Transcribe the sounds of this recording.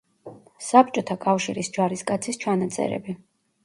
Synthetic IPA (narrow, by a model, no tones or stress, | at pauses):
sap̚t͡ʃʼɔt̪ʰakʼafʃiɾisd͡ʒaɾiskʼat̪sʰist͡ʃʰanat̪sʼɛ̰ɾɛ̰bi